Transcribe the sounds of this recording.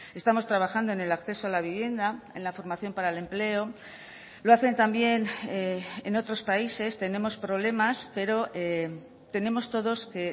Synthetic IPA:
e̞st̪amo̞st̪ɾaβ̞axand̪o̞ene̞lakθe̞soalaβ̞iβ̞je̞nd̪ae̞̰nlafo̞ɾmaθjo̞mpaɾaele̞mple̞o̞ | loaθe̞nt̪ambje̞n | ḛno̞t̪ɾo̞spaise̞st̪e̞ne̞mo̞spɾo̞β̞le̞maspe̞ɾo̞ʔe | t̪e̞ne̞mo̞st̪o̞ðo̞ske̞

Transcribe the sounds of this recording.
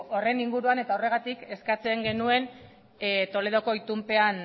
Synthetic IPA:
ore̞niŋɡuɾuane̞t̪ao̞re̞ɣ̞at̪ike̞skat͡se̞ŋɡe̞nue̞n | t̪o̞le̞ð̞o̞ko̞it̪umpe̞an

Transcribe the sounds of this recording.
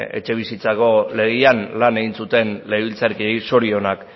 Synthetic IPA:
e̞̰t͡ʃe̞β̞isit͡sako̞le̞ɣianlane̞ɣinsut̪e̞nle̞βilt͡saɾkie̞jso̞ɾio̞nak

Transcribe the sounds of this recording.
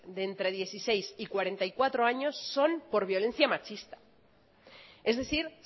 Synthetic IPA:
d̪eːnt̪ɾe̞ð̞je̞θisejsikwaɾe̞nt̪aikwat̪ɾoaɲo̞sːo̞mpo̞ɾβ̞jo̞le̞n̟θjamat͡ʃist̪ḁ | e̞zðe̞θiɾ

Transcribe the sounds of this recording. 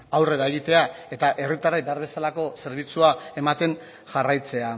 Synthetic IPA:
awre̞ɾae̞ɣit̪e̞ae̞t̪aʔe̞rit̪arajbe̞aɾβe̞salako̞se̞ɾβit͡suae̞mat̪e̞n | ʝarajt͡se̞a

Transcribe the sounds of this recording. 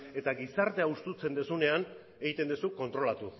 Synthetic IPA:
e̞t̪aɡisaɾt̪e̞aust̪ut͡se̞nd̪esune̞an | e̞ɣit̪e̞nd̪esuko̞nt̪ɾo̞lat̪u

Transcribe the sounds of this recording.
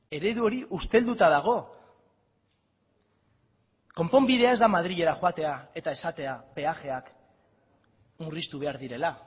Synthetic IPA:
e̞ɾe̞ðuo̞ɾiʔust̪e̞ld̪ut̪aðaɣ̞o̞ | ko̞mpo̞mbið̞e̞ae̞zd̪amað̞ɾiʎe̞ɾaxoat̪e̞ae̞t̪ae̞sat̪e̞abe̞axe̞ak | murist̪uβ̞e̞aɾðiɾe̞la

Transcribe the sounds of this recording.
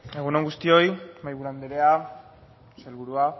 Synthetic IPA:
e̞ɣ̞unoŋɡust̪io̞jmajβuland̪eɾea | selβuɾua

